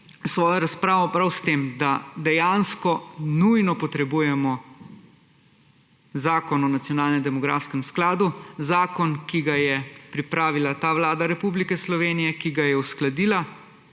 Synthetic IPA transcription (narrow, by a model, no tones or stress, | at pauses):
sʋɔːjɔɾaspɾaːʋɔpɾawst̪eːmd̪ad̪ɛjaːnskɔnujnɔpɔt̪ɾɛbujɛmɔ | zaːkɔnɔnat̪sʲjɔnaːlnɛmd̪ɛmɔɡɾaːfskɛmsklaːd̪uzaːkɔnkiɡajɛpɾipɾaːʋilat̪aːʋlaːd̪aɾɛpublikɛslɔʋeːnijɛkiɡajɛusklad̪iːla